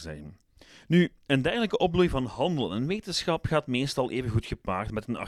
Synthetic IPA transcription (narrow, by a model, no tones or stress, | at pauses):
zɛ̰ɣən | ny | əndɛrɣələkəʔɔplujvɑnɦɑndəlˠənʋeːtənsxɑpχaːtmeːstɑlˠʔeːvənɣutxəpaːrtmɛtənɑ̰